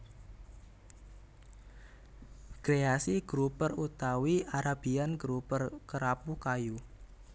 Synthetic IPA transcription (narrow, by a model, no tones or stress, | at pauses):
ɡ̥ɾeasiɡ̥ɾupərut̪awiaɾab̥ianɡɾupərkəɾapukaju